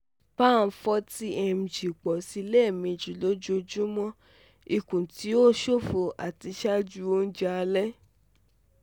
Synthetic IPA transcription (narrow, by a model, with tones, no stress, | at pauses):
ba˦˨n̩˦fɔ˧˦ti˦ʔɛ˧m̩˨d͡ʒi˨k͡pɔ˨si˧˦lɛ˦˨mĩ˧˨d͡ʒu˨lo˦d͡ʒo˦d͡ʒũ˦mɔ̃˦ | i˨kũ˨ti˨˦o˦ʃo˦˨fo˧a˨ti˧ʃa˦d͡ʒu˦o˦n̩˦d͡ʒa˧lɛ˦